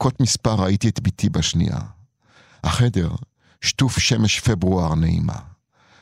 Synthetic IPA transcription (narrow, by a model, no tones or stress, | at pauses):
kotmispaʁaitiet̪bitʰibaʃnḭʔa̰ | haχede̞ʁ | ʃtufʃemeʃfebʁuaʁneḭma̰